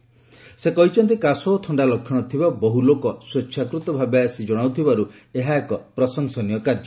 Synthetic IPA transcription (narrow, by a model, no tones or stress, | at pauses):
sekɔɦit͡ʃʰɔnt̪ikasɔt̪ʰɔɳɖalɔkʰːjɔɽ̃ɔt̪ʰibabɔɦulokɔsɾetːʃʰjakɾut̪ɔbʱabeasid͡ʒɔɽ̃awt̪ʰibaɾu | eɦaekɔpɾɔsɔŋsɔnijɔkaɾd͡ʒɔ